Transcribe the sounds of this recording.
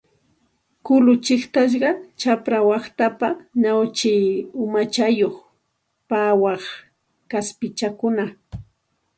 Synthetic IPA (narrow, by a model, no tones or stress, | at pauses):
kʊlʊt͡ʃɪχt̪aʃ̬ɢɑt͡ʃapɾawɑχt̪apanawt͡ʃɪjʊmat͡ʃajoχ | pawɑχ | kaspɪt͡ʃakʊna